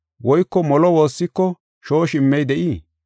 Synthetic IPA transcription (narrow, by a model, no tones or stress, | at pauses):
wɔjkːɔmɔlɔwo̞ːsːɪkːɔ | ʃo̞ːʃɪmːɛjd̪ɛʔiː